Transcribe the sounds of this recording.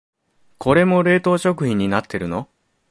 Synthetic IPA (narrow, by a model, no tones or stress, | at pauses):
kʰo̞ɾe̞mo̞ɾe̞ːt̪o̞ːɕo̞kɯ̟çĩɲ̟ːinat̪ʰːe̞ɾɯ̟no